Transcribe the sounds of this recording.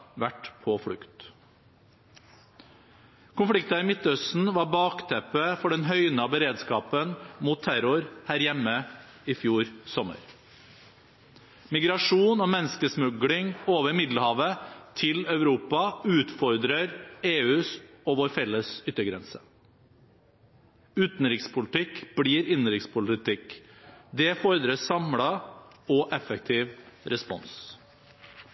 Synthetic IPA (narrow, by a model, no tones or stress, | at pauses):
ʋæʈpʰɔfɽʉkt̪ | kʰʊnflɪk̚t̪ɑɪmɪt̪ːœst̪n̩ʋɑɾbɑːkt̪ʰɛpəfɔɖɛnɦœʏnəɑbəɾeːd̪skɑːpənmuːt̪ʰːæɾʊɾhæːɾjɛmːə | ɪfjuːɾsɔmə̰ɾ | mɪɡɾɑʂuːnɔːmɛnəskəsmʉɡlɪŋoːʋəɾmɪd̪ləhɑːʋət̪ʰɪlœʉɾuːpɑʉːt̪fɔɾd̪ɾəɾeːʉːsɔʋoːɾfɛlːəsʏt̪ːəɡɾɛnsə | ʉːt̪n̩ɾɪkspʰʊlɪt̪ʰɪkb̥ɽiːɾɪnɾɪkspʰʊlɪt̪ɪkd̪ɛfɔɾd̪ɾəsɑmɽɑɔʔɛfək̚t̪ʰɪːʋɾɛspɔ̰ns